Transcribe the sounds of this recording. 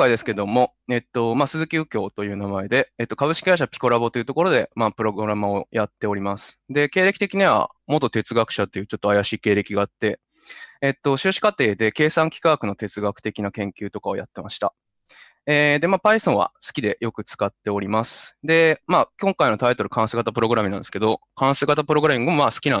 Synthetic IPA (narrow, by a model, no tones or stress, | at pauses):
õkaid̪e̞sɨ̥ke̞d̪o̞mo̞ | e̞t̪ːo̞masɨzɨkʲɨːkʲo̞ːt̪o̞jɯ̟ːnamae̞d̪e̞ːt̪ːo̞kaβɯ̟ɕi̥kʲiɡaiɕapʲi̥ko̞ɾabo̞t̪o̞iɯ̟t̪o̞ko̞ɾo̞d̪e̞maːpɯ̟ɾo̞ɡɯɾamao̞jat̪ːe̞o̞ɾʲimasɨ̥d̪e̞ke̞ːɾe̞kʲi̥t̪e̞kʲiɲ̟iβa̰mo̞t̪ːo̞t̪e̞t͡sɨɡakɯ̟̥ɕat̪ːe̞jɯ̟t͡ɕo̞t̪ːo̞ajaɕiːkeːɾe̞kʲiɡaːt̪ːe̞ː | t̪ːo̞ɕɨːɕi̥kat̪e̞ːd̪e̞ke̞ːsãŋkʲi̥kaɡkɯ̟no̞t̪e̞t͡sɨɡakɯ̟̥t̪e̞kʲinakẽ̞ŋkʲɨːt̪o̞kao̞ja̰t̪ːe̞maɕi̥t̪a̰ | ed̪e̞maːpaisõ̞ɰ̃βa̰sɨ̥kʲid̪e̞jʔo̞kɯ̟t͡sɨ̥kat̪ːe̞o̞ɾʲimasɨ̥d̪e̞maːkʲõ̞ŋkaino̞t̪ait̪o̞ɾɯ̟̥kʰãɰ̃seɡat̪apɯ̟ɾo̞ɡɯ̟ɾamʲinãnd̪e̞sɨ̥ke̞d̪o̞ | kãɰ̃seːɡat̪apɯ̟ɾo̞ɡɯɾamʲĩŋɡomomaːsɨ̥kʲinã